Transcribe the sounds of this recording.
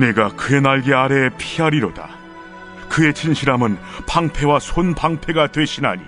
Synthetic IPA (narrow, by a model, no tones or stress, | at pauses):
ne̞ɡakɯe̞naɭɡe̞aɾe̞pʰiaɾiɾoda̰ | kɯe̞t͡ɕʰinɕʰiɾamɯnpaŋpʰe̞wasʰonpaŋpʰe̞ɡatwe̞ɕʰina̰ɲḭ